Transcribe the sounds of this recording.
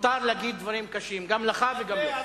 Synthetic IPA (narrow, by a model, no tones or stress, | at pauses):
t̪aʁleaɡid̪ːvaʁimkaʃimɡamlaχaveɡam